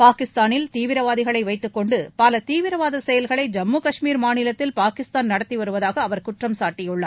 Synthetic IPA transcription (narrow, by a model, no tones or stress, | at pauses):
paːkɪst̪aːnɪlt̪iːʋɪɾɐʋaːðɪɣɐɭɐɪʋɐɪt̪ːɯkːɔɳɖɯpɐlɐt̪iːʋɪɾɐʋaːðɐsɛjɐlɣɐɭɐɪd͡ʒɐmːuːkɐʂmiːɾmaːnɪlɐt̪ːɪlpaːkɪst̪aːnnɐɽɐt̪ːiʋɐɾɯʋɐðaːɣɐːʋɐɾkʊʈrɐmsaːʈːɪjɯɭːɐ